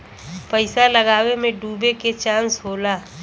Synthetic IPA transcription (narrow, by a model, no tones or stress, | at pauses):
pəɪsaləɡaːwemẽɖuːbeket͡ʃãːnsɦoːlaː